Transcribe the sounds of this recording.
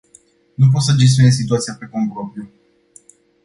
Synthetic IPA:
nup̬ot̪səd͡ʒe̞s̬t̪̬ʲjoe̞zsit̪uat̪sijapɾekompɾopɾiu

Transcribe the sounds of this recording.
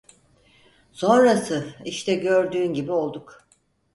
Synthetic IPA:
so̞nɾasɯiʃt̪ʰɛɟø̞ɾd̪yːnɟibio̞lˠd̪uk

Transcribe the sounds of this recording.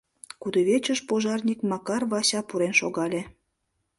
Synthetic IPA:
kud̪oβet͡ɕəʃpoʒɑrnʲikmɑkɑrβɑsɑpuɾenʃoɣɑlʲe

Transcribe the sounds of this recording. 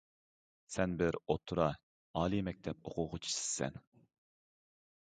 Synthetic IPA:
sɛnbɪɾot̪ʰɾɑ | ɑːlˠimɛk̚ʲt̪ʰɛp̚oqʰʊʁʊt͡ʃʰi̥sɪ̥sɛ̰n

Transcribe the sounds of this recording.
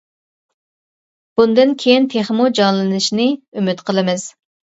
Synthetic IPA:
b̥und̪ɨnkʲʰejint̪ʰeχmud͡ʒɑŋlˠɨnɨʃnɨymyt̪qʰəlˠɨmɨz̥

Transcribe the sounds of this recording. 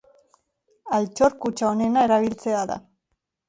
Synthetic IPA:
alt͡ʃo̞ɾkut͡ʃaone̞nae̞ɾaβ̞ilt͡se̞aða̰

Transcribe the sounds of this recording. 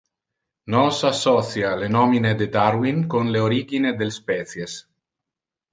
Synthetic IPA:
nɔsasːɔθjalenɔmined̪ed̪aɾwiŋkonleoɾiɡined̪elspɛt̪sjes

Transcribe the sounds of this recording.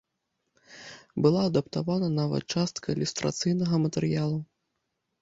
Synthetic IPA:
bɨlˠaːd̪ɐpt̪avanɐnavɐ̰t̪̚t͡ʂast̪kʰɐilʲust̪ɾa̰t̪sɨjnɐɣɐmɐt̪ɛɾɨjalˠu

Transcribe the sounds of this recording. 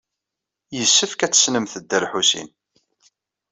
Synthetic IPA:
jəsːəfkæt͡sːə̥snəmθəd̪ːəɾħusḭn

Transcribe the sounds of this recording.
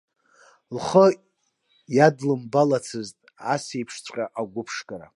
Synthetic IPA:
lχə | jadlɨmbalat͡sʰɨztʼasejpʰʂt͡sʷʼqʲʼaʔaɡʷʊpʰʂkʼaɾa̰

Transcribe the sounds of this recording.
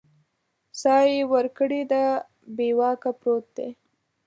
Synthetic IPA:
sɑjewəɾkəɽid̪a | bewɑkapɾot̪̚d̪ḛ

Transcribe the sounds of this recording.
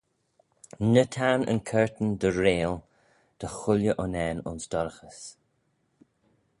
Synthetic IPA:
nət̪ʰanə̰nkʰɛɹt̪ənd̪əɹeːl | d̪̥əxʊljəʔʊnɛːnʊ̰nsd̪ɔɾəxəs

